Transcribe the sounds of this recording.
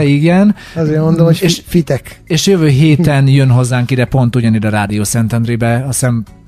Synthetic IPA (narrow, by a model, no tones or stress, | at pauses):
iɡɛn | ɑzeːɾmond̪omoeʃfit̪ɛkeːʃjøvøːɦeːt̪ɛnjønɦo̞zːaːŋkid̪ɛpo̞nt̪uɟɒnid̪ɛɾaːd̪ijoːsɛnt̪ɛnɾibɛɒsɛm